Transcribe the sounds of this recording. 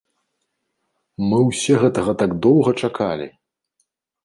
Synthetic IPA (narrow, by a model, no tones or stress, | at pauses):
mɨwsʲɛɣɛt̪ɐɣɐt̪aɡd̪ɔwɣɐt͡ʂakʰalʲḭ